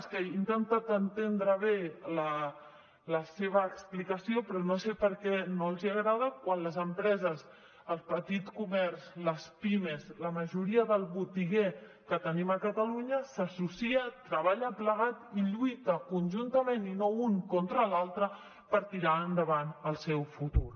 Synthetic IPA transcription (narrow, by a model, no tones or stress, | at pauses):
skəint̪ənt̪at̪ənt̪end̪ɾəβelə | ləseβ̞əːksplikəsiopɾɔnosepəɾkɛnoəlˠziəɣɾað̞əkwanləzəmpɾɛzəz | əlˠpət̪it̪kumɛɾzləspimezləməʒuɾiəðəlˠβut̪iɣe | kət̪əniməkət̪əluɲəsəsusiət̪ɾəβ̞aʎəpləɣ̞at̪iʎujt̪əkunʲʒunt̪əmeninouŋkont̪ɾəlalˠt̪ɾə | pəɾt̪iɾaənd̪əβanəlˠsɛwfut̪uɾ